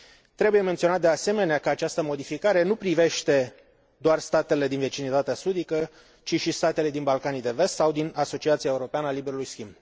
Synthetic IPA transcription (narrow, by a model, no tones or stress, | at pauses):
t̪ɾe̞buje̞me̞nt̪sio̞nat̪̚d̪ease̞me̞neakəat͡ʃast̪əmo̞d̪ifikaɾe̞nupɾive̞ʃt̪e̞ | d̪oarst̪at̪e̞le̞d̪inve̞t͡ʃinit̪at̪easud̪ikə | t͡ʃiʃist̪at̪e̞le̞d̪inbalkanid̪e̞ve̞st̪sawd̪inaso̞t͡ʃiat̪sijaeuɾo̞peanəalibe̞ɾulujskʲimb